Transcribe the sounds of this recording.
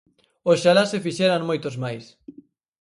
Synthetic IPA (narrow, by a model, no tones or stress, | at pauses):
osʃalasefiʃɛɾaŋmojt̪ozmajs